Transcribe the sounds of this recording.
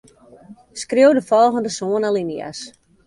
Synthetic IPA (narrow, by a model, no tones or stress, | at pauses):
skrewdəfɔlˠɣəndəsoənalinja̰s